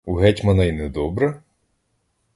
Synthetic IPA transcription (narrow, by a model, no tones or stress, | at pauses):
uɦɛtʲmɐnɐjnɛd̪ɔbɾɐ